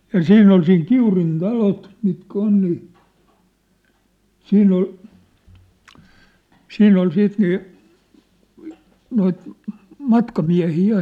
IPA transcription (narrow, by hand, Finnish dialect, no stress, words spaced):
jɑ siːnː ol siːn kiurin tɑlot mitkæ on niː siːnː ol siːnː ol siːt niː noit mɑtkɑmiæhiː jɑ